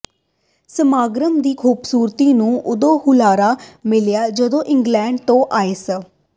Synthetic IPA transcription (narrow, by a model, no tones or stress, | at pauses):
səmaːɡɾəmd̪iːkʰuːbsuːɾt̪iːnũːʔʊd̪õːhʊlaːɾaːmɪljaːd͡ʒəd̪õːʔɪ̃ŋɡlɛ̃ːɳɖt̪õːʔaːeːs